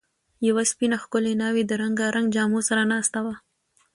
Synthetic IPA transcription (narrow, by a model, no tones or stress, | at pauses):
jawaspinaxkʊlenɑwed̪əɾaŋɡaɾʔaŋɡd͡ʒɑmosaɾanaːst̪awa